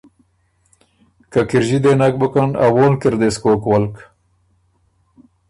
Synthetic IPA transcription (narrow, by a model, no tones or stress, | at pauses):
kakiɾʑid̪enak̚bukana̰woːlkiɾd̪eskoːkwalk